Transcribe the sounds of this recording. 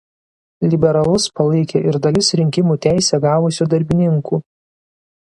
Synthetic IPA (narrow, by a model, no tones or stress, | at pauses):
lʲɪbʲɛɾɐlˠʊspɐlˠɐɪkʲeːʔɪɾd̪ɐlʲɪsɾʲɪŋʲkʲɪmuːt̪ʲæˑɪsʲɛɡɑːʋʊsʲuːd̪ɐɾʲbʲɪnʲɪŋkuː